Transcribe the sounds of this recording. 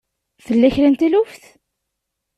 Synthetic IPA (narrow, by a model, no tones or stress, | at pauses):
θəlːæçɾænt̪ilʊfθ